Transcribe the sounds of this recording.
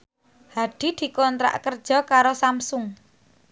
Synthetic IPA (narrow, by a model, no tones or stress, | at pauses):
haɖ̪̥i̤d̪̥i̤kɔnt̪ɾa̰ʔkərd̥ʒ̥ɔ̤kaɾosamsʊŋ